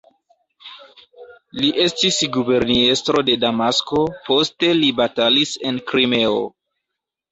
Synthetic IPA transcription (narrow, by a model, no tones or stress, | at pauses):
liʔe̞stisɡube̞ɾniestɾo̞de̞damasko̞po̞ste̞libatalise̞nkɾime̞o̰